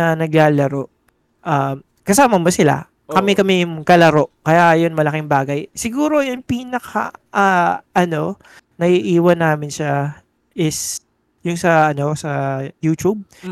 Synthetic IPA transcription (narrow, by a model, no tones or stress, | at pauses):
ɐnɐɡlaːlɐɾo̞ʔ | ʔam | kɐsaːmɐmosɪla̰ | kɐmɛkɐmɛjʊŋkɐlɐɾo̞ʔkɐjaʔjonmɐlɐkɪŋbaːɡɐjsɪɡuːɾojɐŋpiːnɐkʰa̰ʔaʔɐno̞ | nɐʔiʔiːwɐnːaːmɪnʃa | ʔɪs | jʊŋsɐɐno̞sɐjuːt̪ub̚